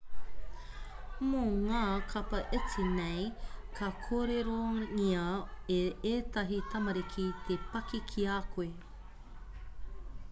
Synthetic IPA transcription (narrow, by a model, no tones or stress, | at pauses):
moŋaːkʰɐpɐʔet͡sinejkʰɐkʰoːɾeɾoŋiɐeet̪ɐɦit̪ʰɐmɐɾikʰit̪ʰepɐkikʰiaːkʰoe